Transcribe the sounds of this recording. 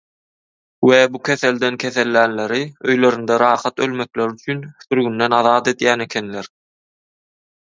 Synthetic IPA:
webukʰʲe̞θe̞ld̪enkʲʰeθe̞lːæːnle̞ɾiøjlø̞ɾynd̪eɾɑːχɑt̪ølme̞kleɾyt͡ʃʰynθyɾɣynd̪enɑðɑːt̪e̞d̪jæːne̞kʲʰe̞nleɾ

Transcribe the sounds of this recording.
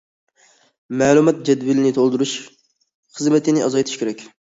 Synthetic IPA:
mɛːlˠumɑt̪̚d͡ʒɛd̪vɪlɪnɪt̪ʰolˠd̪uɾuʃ | χəzmɪt̪ʰɪnɪʔɑzɑjt̪ʰiʃkʲʰeɾɛkʲ

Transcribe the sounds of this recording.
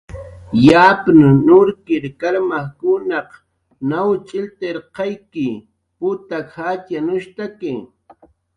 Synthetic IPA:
japnʊnʊɾkɪɾkaɾmahkʊnɑq | nawt͡ʃʼɪlt̪eɾqɑjkɪ | pʊt̪akhat͡ʃjanʊʃt̪akɪ

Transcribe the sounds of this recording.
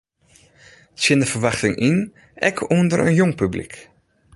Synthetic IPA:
sɪndəfərʋaχtɪŋʔin | ɛ̰kʰundərə̰njɔŋpyblḭk

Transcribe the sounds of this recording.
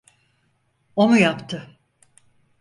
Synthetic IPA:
o̞nujapt̪ʰɯ

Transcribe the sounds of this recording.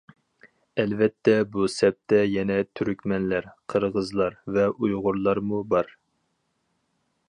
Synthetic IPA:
ɛlvɛt̪ʰːɛbusɛp̚t̪ʰɛjɛnɛt̪ʰyɾykʲmɛnlæɾqʰəɾʁəzlˠɑɾvɛʔujʁʊɾlˠɑɾmubɑɾ

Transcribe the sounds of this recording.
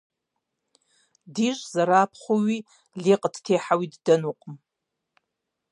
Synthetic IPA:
diʒʷzaɾaːpʰχʷuɥi | liqʼdʰtʰeħawiddɨnuqʼm

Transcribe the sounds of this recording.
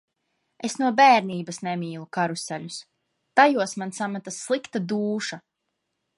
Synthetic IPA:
esnuɔbæːɾniːbasnɛmʲiːlˠukaɾusælʲus | t̪ajuɔsmansamat̪asːlˠikt̪ad̪uːʃa

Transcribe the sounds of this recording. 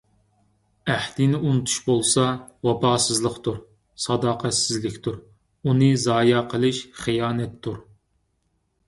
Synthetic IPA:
æht̪inɪunɨt̪ʰu̥ʃbolˠsɑwɑpɑːsɨzlˠəqt̪ʰuɾ | sɑd̪ɑːqʰɛsɪzlɪkʲt̪ʰuɾ | unɨzɑːjɑqʰəlˠɨʃχijɑːnɛt̪ʰːuɾ

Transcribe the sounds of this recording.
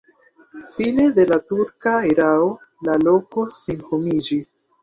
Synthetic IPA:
fine̞de̞latuɾkaeɾaolalo̞ko̞senhomid͡ʒis

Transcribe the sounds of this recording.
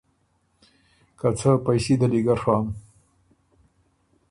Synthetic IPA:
kat͡səpajsed̪əliɡaɾxɑːm

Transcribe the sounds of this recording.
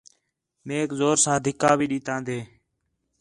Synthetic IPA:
meːkzoːɾsãːd̪ʱɪkaːʋiːɗiːt̪ãːnd̪eː

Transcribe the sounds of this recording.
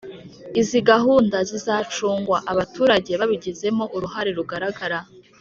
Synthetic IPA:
iziɡaɦuːndazizaːt͡ʃuːŋɡwaʔaβatuːɾaɟe̞βaβiɟeze̞mo̞ʔuɾuɦaɾe̞ɾuɡaɾaɡaɾa

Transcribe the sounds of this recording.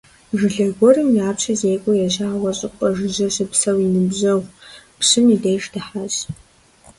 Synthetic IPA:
ʒɨɮɐɡʷɔrɨmjaːpɕʰɐzejkʷʼʊjɛʒaːwɐɕʼɪqʷʼɐʒɨʒɐɕɨpsɐwinɨbʑɐwʷpɕɨmidejʒdɨħaz

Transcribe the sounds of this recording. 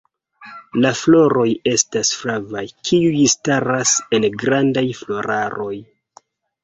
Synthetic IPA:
laflo̞ɾo̞je̞stasfɾavajkʰiujstaɾase̞nɡɾandajflo̞ɾʔaɾo̞j

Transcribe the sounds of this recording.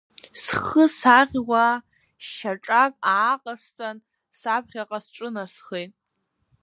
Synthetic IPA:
sχəsaʁʲwa | ʃʃaʈ͡ʂʼakʼaːqʼastʰʼan | sap̚ʰχʲaqʼasʈ͡ʂʼɨnasχejtʼ

